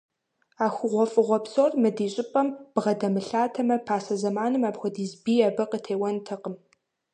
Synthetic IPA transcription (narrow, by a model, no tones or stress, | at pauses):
aːxʷʊʁʷɔfʼɨʁʷɔpsormɨdiːɕʼɪpʼɐmb̥ʁɐdɐmɨɬaːtʰɐmɐpʰaːsɐzɐmaːnɨmaːbxʷɔdiːzbiːɐbɨqətʰeːwɐntʰɐqəm